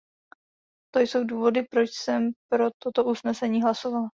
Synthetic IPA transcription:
t̪o̞jso̞wduːvo̞dɪpɾo̞t͡ʃsɛmpɾo̞t̪o̞t̪oʔusnɛsɛɲiːɦlaso̞vala

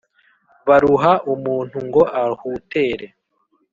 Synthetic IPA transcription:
βaɾuɦaʔumuːn̥huŋɡo̞ʔahuːte̞ːɾe̞

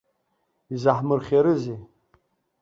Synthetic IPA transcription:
izaħmɨrχʲaɾɨze

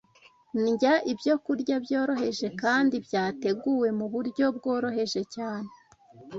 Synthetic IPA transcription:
nɟaʔibjo̞kuɾɟabjo̞ːɾo̞ɦe̞ʒe̞kaːndibjaːte̞ɡuwe̞muβuɾɟo̞b̚ɡo̞ːɾo̞ɦe̞ʒe̞caːne

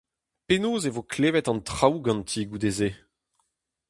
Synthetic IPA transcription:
penoːzevokleːvɛtɑ̃ntχawɡɑ̃ntʰiɡud̪eze

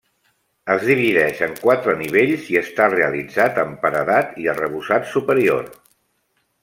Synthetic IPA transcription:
əzðiβ̞iðɛʃəŋkwat̪ɾəniβ̞eʎziəst̪areəlid͡zat̪əmpəɾəðat̪iərəβuzat̪supəɾio̰r

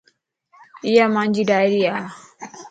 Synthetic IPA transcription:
ijamaɲd͡ʒidaɾija

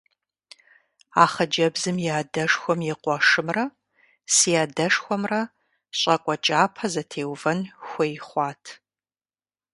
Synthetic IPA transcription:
aːχɐd͡ʒɐbzɨmjaːdɐʂxʷɔmjɪqʷɔʂɨmrɐ | siaːdɐʂxʷɔmrɐ | ɕʼɐkʷʼɔt͡ʃʼaːpʰɐzɐtʰeːwvɐnxʷejχʷɑːtʰ

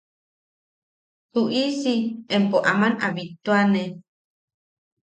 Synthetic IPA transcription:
huʔisiempoʔamanaβit̪uane

